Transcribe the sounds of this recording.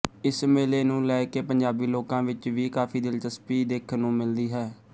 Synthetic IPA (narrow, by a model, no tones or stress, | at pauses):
ɪsmeːleːnũːlɛːkeːpəɲd͡ʒaːbiːloːkãːʋɪt͡ʃʋiːkaːpʰiːd̪ɪlt̪əspiːd̪eːkʰnũːmɪld̪iːɦɛː